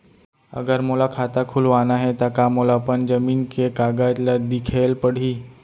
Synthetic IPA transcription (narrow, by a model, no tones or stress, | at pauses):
ə̰ɡəɾmolakʰat̪akʰulʋanaɦet̪akamolapəɳd͡ʑəmiːnkekaɡat̪lad̪ikʰelpəɽ̤iː